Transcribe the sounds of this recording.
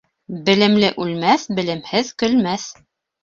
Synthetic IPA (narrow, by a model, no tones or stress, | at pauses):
bɘ̆lɘ̆mlɘʔʉlmæθbɘ̆lɘ̆mhɘðkɵ̆lmæθ